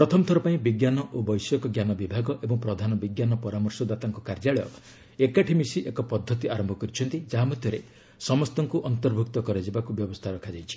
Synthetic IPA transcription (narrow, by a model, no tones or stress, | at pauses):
pɾɔt̪ʰɔmɔt̪ʰɔɾɔpaĩbiɡjanɔʔobɔjsɔkɔɡjanɔbibʱaɡɔʔebɔŋpɾɔd̪ʱanɔbiɡjanɔpɔɾamɔɾsɔd̪wat̪aŋkɔkaɾd͡ʒaɭɔjɔ̰ | ekaʈʰimisiʔekɔpɔd̪ʱːɔt̪iaɾɔmbʱɔkɔɾit͡ʃʰɔnt̪id͡ʒaɦamɔd̪ʱjɔɾe | sɔmɔst̪ɔŋkuʔɔnt̪ɔɾbʱuk̚t̪ɔkɔɾed͡ʒebakubjɔbɔst̪ʰaɾɔkʰad͡ʒajt͡ʃʰi̥